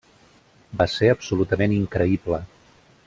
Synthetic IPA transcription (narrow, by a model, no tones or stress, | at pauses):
baseəpsulut̪əmeniŋkɾəiblə